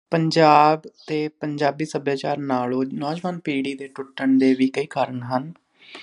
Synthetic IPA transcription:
pəɲd͡ʒaːbt̪eːpəɲd͡ʒaːbiːsəbjaːt͡ʃaːɾnaːlõːnɔːd͡ʒʋaːnpiːɖiːd̪eːʈʊʈːəɳd̪eːʋiːkəiːkaːɾəɳɦən

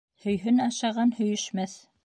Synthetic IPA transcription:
hɵ̆jɦɵnɑʃɑʁɑnhɵ̆jɘ̆ʃmæθ

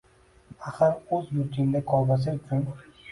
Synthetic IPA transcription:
aχaɾɵzjʊɾt̪ʰɪnd̪akʰɒlˠb̪as̬ɪʊt͡ʃʰʊn

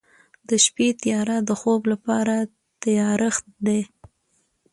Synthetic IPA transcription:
d̪əʃpet̪jɑɾad̪əxoblapɑɾa | t̪ajɑɾɪxt̪d̪e

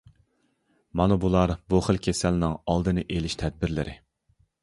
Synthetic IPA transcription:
mɑnubulˠɑɾbuχəlˠkʲʰesælnɪŋɑlˠd̪ɨnɨʔelɪʃt̪ʰɛd̪̚bɪɾlɪ̰ɾʔɪ̰

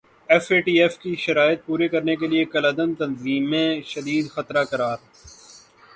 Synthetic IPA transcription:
ɛfeːʈiːɛfkiʃɐɾaːjɪt̪̚puːɾekɐɾnek̬eliekɐləd̪ənt̪ɐnziːmẽʃɐd̪iːd̪xɐt̪ɾakɐɾaːɾ

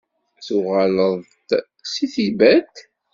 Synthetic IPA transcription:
θuʁaləðˤ | siθibæt̪

